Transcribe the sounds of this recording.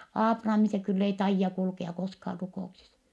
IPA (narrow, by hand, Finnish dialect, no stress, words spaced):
ɑːprɑmi se kylː ei tɑijːɑ kulkeɑ koskɑːr rukouksis